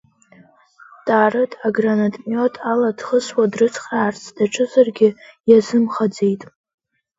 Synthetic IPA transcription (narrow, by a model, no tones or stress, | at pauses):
tʼaːrɨtʰʼaɡranatʼmjotʼʰaladχəswadrɨt͡sʰχraːrt͡sʰd̥aʈ͡ʂʼʰɨzarɡʲɪjazɨmχad͡ze̞jtʼ